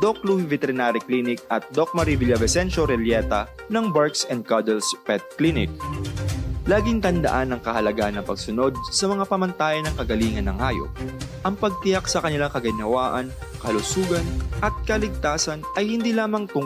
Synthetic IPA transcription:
d̪ok̚luhivɛt̪ɛɾɪnaːɾɪklinɪk̚ʔɐt̪̚d̪ok̚mɐɾivɪljɐvɛsɛnʃoɾɛljɛt̪ɐ | nɐŋbaɹksɛnd̪̚kɐd̪ɛlspɛt̪̚klinɪ̰k̚ | laːɡɪŋt̪ɐnd̪ɐ̰ʔanːɐŋkɐhɐlɐɡaʔɐnːɐŋpɐɡ̚sʊno̞d̪̚sɐmɐŋapɐmɐnt̪aːjɐnɐŋkɐɡɐliːŋɐnːɐŋʔaːjo̰p̚ʔɐŋpɐɡ̚t̪ɪjaksɐkɐnɪlaŋkɐɡɪnɐwaːʔɐn | kɐhɐlʊsuːɡɐnʔɐt̪̚kɐlɪɡ̚t̪aːsɐnʔɐjhɪnd̪iːlaːmɐŋt̪ʊŋ

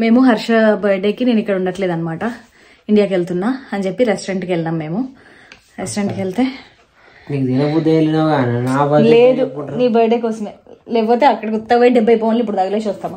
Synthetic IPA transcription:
meːmuɦɐɾʂɐbɐjɖeːkːiniːnikːɐɽuɳɖɐʈleːd̪aːnmaːʈɐ | iɳɖijaːkelt̪unːaɐɲd͡ʒepːiɾesʈɾeɳʈkelnɐmːeːmu | ɾesʈɾeɳʈkeɭt̪e | niːkd̪inɐbud̪ɐlːinaɡɐnaːʋɐleːd̪uniːbɐjɖekosmelep̬ot̪eɐkːɐɽɐkut̪ːɐʋɐjɖɛbːɐjpoʋɐnlipuɽd̪aːɡɐlet͡ʃost̪ɐmːɐ

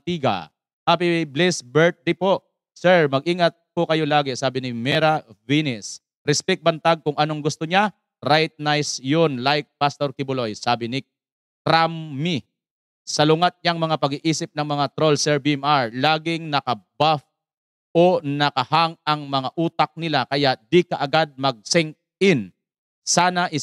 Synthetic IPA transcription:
t̪iːɡa̰ | ʔɐpiblɛsbɛɹt̪̚d̪ɪpoʔ | sɛɹmɐɡ̚ʔiːŋɐt̪̚pʊkɐjo̞laːɡɛsaːbɪnɪmɛɾɐvinɛs | ɾɛspɛk̚bɐnt̪aɡ̚kʊŋʔɐnoŋɡʊst̪oɲa | ɾajt̪̚najsjonlajk̚past̪oɾkɪbʊlojsaːbɪnɪ | kɾamːi | sɐlʊŋat̪̚ɲaŋmɐŋapɐɡiʔiːsɪp̚nɐŋmɐŋat̪ɾolsɛɹbiɛmaɹlaːɡɪŋnɐkɐbaf | ʔonɐkɐhaŋɐŋmɐŋaʔuːt̪ak̚nɪlakɐjaʔd̪ikɐʔɐɡad̪̚mɐɡ̚sɛŋ | ɪn | saːnɐʔɪ

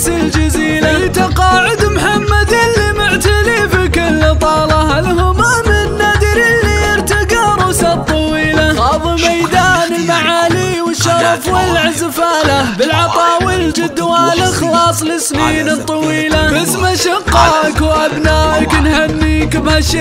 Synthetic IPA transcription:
sɪld͡ʒaziːlaɪt̪ɑqɑːʕʊd̪mħamːad̪ɪlːimʊʕt̪alifɪkɪlːt̪ˤɑːlɑhalhʊmamɪnːad̪ɪɾilːiɪɾt̪aɡɑːɾˤʊsat̪ˤːɑwiːlaɣɑːðˤɨmajd̪aːnɪlmaʕaːliwɪʃːɑɾˤɑfwɪlʕazfaːlabɪlʕɑt̪ˤɑːwild͡ʒɪd̪ːwaːlɪxɑlɑːsˤlɪsmiːnt̪ˤːɑwiːlabasmaʃɑqːɑːʔkwʔabnaːʔaknhanːiːkbhaʃi

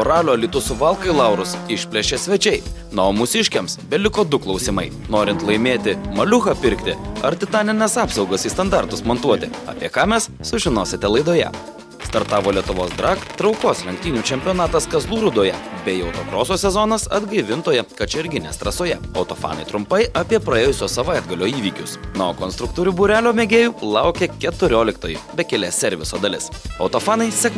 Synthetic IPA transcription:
oːɾɑːlʲoːlʲit̪ʊsʊʋɐlˠkɐɪlˠɑʊɾʊsɪʃʲpʲlʲɛʃʲeːsʲʋʲɛt͡ʃʲɛɪnomʊsʲɪʃʲkʲemsbʲɛlʲɪkoːd̪ʊklˠɒʊsʲɪmɐɪ | noːɾʲɪnt̪lˠɐɪmʲeːt̪ʲɪmɐlʲʊxɐpʲɪɾʲkt̪ʲɪɐɾt̪ʲɪt̪ɑːnʲɪnʲɛsɑːpsɒʊɡɐsiːst̪ɐnd̪ɑɾt̪ʊsmont̪uɔt̪ʲɪɐ̰ːpʲiɛkɑːmʲɛsːʊʒʲɪnoːsʲɪt̪ʲɛlˠɐɪd̪oːjɛ̰ | st̪ɐɾt̪ɑːʋoːlʲiɛt̪ʊʋoːsd̪ɾɑːkt̪ɾɒʊkoːslʲɛŋʲk̚t̪ʲiːnʲuːt͡ʃʲɛmʲpʲɪjoːnɑːt̪ɐskɐzlˠuːɾʊd̪oːjɛbʲɛjɛʊt̪okɾoːsoːsʲɛzɔnɐsɐ̰d̪ɡɐɪʋʲɪnt̪oːjɛkɐt͡ʃʲɛɾʲɡʲɪnʲḛːst̪ɾɐsoːjɛɐʊt̪ofɑ̰ːnɐ̰ɪt̪ɾʊmpɐɪɐpʲiɛpɾɐeːjʊsʲoːsɐʋɐɪd̪ɡɐlʲoːiːʋʲiːkʲʊsnoːkɔnst̪ɾʊk̚t̪uːɾʲuːbuɾʲæːlʲoːmʲeːɡʲeːjuːlˠɐʊkʲɛkʲɛt̪ʊɾʲoːlʲɪk̚t̪oːjibʲɛkʲɛlʲɛsʲɛɾʲʋʲɪsoːd̪ɐlʲɪsɐʊt̪ofɑːnɐɪsʲɛkm

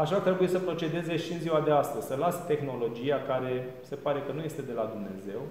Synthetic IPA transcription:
aʃat̪ɾe̞bujesəpɾo̞t͡ʃe̞d̪e̞ze̞ʃiɨnziwad̪e̞ast̪əzʲsəlast̪e̞xno̞lo̞d͡ʒiakaɾe̞se̞paɾe̞kənuje̞st̪e̞d̪e̞lad̪umne̞̰ze̞w

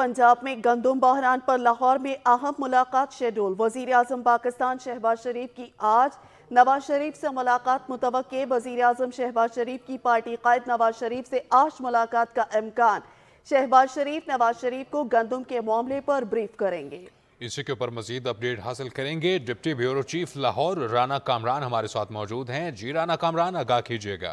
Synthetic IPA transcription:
pɐ̃ɲd͡ʒaːbmẽɡɐ̃nd̪ʊmbaːɦɾaːnpɐɾlaːɦɔːɾmẽʔɐɦəmːʊlaːqaːt̪ʃeːɖoːlʋɐziːɾeaːzəmpaːkɪst̪aːnʃɛɦbaːzʃɐɾiːfkiʔaːd͡ʒ | nɐʋaːzʃɐɾiːfsemʊlaːqaːt̪mʊt̪əʋəqːeʋɐziːɾeaːzəmʃɛɦbaːzʃɐɾiːfkipaːɾʈiqaːɪd̪nɐʋaːzʃɐɾiːfseʔaːʃmʊlaːqaːt̪kaʔɪmkaːn | ʃɛɦbaːzʃɐɾiːfnɐʋaːzʃɐɾiːfkoɡɐ̃nd̪ʊmkemʊaːmlepɐɾbɾiːfkɐɾẽːŋɡeː | ɪsikeuːpəɾmɐziːd̪ɐp̚ɖeːʈɦaːsɪlkɐɾẽːŋɡeɖɪp̚ʈibʱjuːɾot͡ʃiːflaɦɔːɾːaːnakaːmɾaːnɦɐmaːɾesaːt̪ʰmɔːd͡ʒuːd̪ɦɛ̃d͡ʒiːɾaːnakaːmɾaːnɐɡaːkʰiːd͡ʒieːɡa̰ː

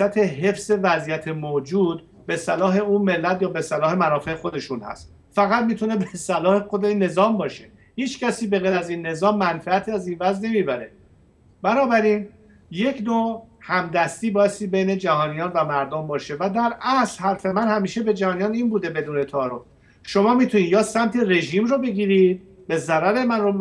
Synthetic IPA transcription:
æt̪ʰe̞ɦe̞fze̞væzijæt̪ʰemod͡ʒuːd̪̚ | be̞sælɒːɦe̞unme̞lːæt̪jɒːbe̞sælɒːhe̞mænɒːfe̞exo̞d̪e̞ʃunhæ̰st̪ | fæɣæt̪̚miːt̪ʰune̞besælɒːhe̞xod̪enːe̞zɒːmbɒːʃe̞ | hiːt͡ʃcæsiːbe̞ɣeɾæziːnːe̞zɒːmːænfææt̪ʰiːæziːnvæzne̞miːbæɾe̞ | b̥ænɒːbæɾiːn | je̞cʰnoːhæmd̪æst̪iːbɒːjest̪iːbe̞jne̞d͡ʒæhɒːnijɒːnvæmæɾd̪ombɒːʃe̞væd̪æɾʔæslhæɾfe̞mænhæmiːʃe̞be̞d͡ʒæhɒːnijɒːniːnbuːd̪e̞be̞d̪uːne̞t̪ʰɒːɾof | ʃo̞mɒːmiːt̪ʰuniːjɒːsæmt̪ʰere̞ʒiːmrobe̞ɡʲiːɾiːd̪̥̚ | be̞zæɾæɾe̞mænro

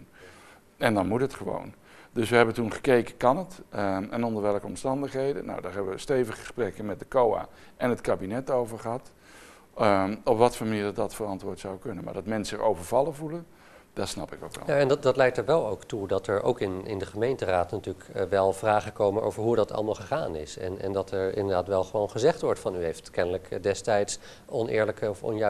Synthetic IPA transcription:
n | ɛndɑnmutɦətχəʋo̰wn | dɵsʋəɦɛbəntunχə̥kejkəkɑnətɛnɔndəɹʋɛlˠkəɔmstɑndəχɦejdə̰no̰wdaːɹɦɛbəʋəstejvəχəəsprɛkəmɛt̚dəkowa̰ː | ʔɛnɦətkaːbinɛtowvəɹχəɦɑt | ɔpʋɑtfoːɹməniːɹdɑdɑtfərɑntʋʊːɹtsawkɵnənma̰ɹdɑtmɛnsəɛɹʔowvəɹvɑlˠəvulə | d̥ɑtsnɑpɪko̰kʋɛ̰lˠjaɛnddɑtlɛjktəɹʋɛlˠowktudɑtɛɹo̰wkɪnɪ̰ndəχəmejntəraːtnatyːləkʋɛlˠv̥raːχəkowmənʔo̰wvəɹɦudɑtʰɑ̰lˠəmaːlˠχəχaːnɪsɛ̰nɛ̰ndɑtʰɛɹɪ̰ndəɹdaːtʋɛlˠχəʋownχəzɛχtʋɔɹtfɑnyɦejftkɛnələkdɛstɛjts | ɔnɪ̰ːɹləkəɔfɔ̰nj

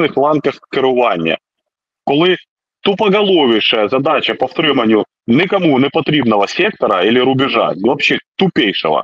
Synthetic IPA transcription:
nɨxlˠankɐxkʲɪɾʊvanʲɪjə̰ | kolˠɨ | t̪ʊpɐɡɐlˠovʲɪʂɨjɐzɐd̪at͡ɕɐpɐft̪ɾɨmɐnʲjʊ | nʲɪkɐmunʲɪpɐt̪ɾʲibnəvɐsʲek̚t̪ɐɾɐilʲɪɾʊbʲɪʐa̰vɐpɕet̪ʊpʲejʂɨ̰ʋɐ̰

